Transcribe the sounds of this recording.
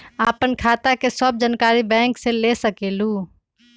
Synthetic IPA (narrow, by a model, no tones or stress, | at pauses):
aːpənkʰaːt̪akesəb̚d͡ʒənkaːɾibɛ̃ːŋkselesəkeːluː